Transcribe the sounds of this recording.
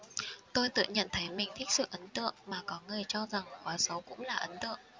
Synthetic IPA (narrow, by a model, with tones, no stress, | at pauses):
t̪o˧jt̪ɨ̰˧˨ə˨ɲə̰˧˨nt̪ʰə˨˦jmï˨˩ŋ̟t̪ʰi˦˥k̚sɨ̰˧˨ʔə˨˦nt̪ɨ̰˧˨əŋmaː˨˩kɔ˨˦ŋɨ˨˩əjt͡ɕɔ˧za˨˩ŋxwaː˨˦jsə˨˦wkʊ̰˧˥ŋ͡mlaː˨˩ʔə˨˦nt̪ɨ̰˧˨əʔ